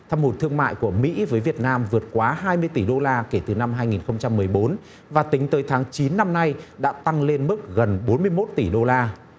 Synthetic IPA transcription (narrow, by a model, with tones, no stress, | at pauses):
t̪ʰaː˧mo˨˩t̚t̪ʰɨ˧əŋma̰ː˧˨jku˧˩əmḭ˧˥vəː˨˦jvi˨˩ət̚naː˧mvɨ˨˩ət̚kwaː˨˦ɦaː˧jmɨ˧əjt̪i˧˩ɗo˧laː˧ke˧˩t̪ɨ˨˩na˧mɦaː˧jŋi˨˩nxə˧wŋ͡mt͡ɕa˧mːɨ˨˩əjɓo˨˦n | vaː˨˩t̪ï˨˦ŋ̟t̪əː˨˦jt̪ʰaː˨˦ŋt͡ɕi˨˦nːa˧mna˧jɗa̰ː˧˥t̪a˧ŋle˧nmɨ˦˥k̚ɣə˨˩nɓo˨˦nmɨ˧əjmo˦˥t̚t̪i˧˩ɗo˧laː˧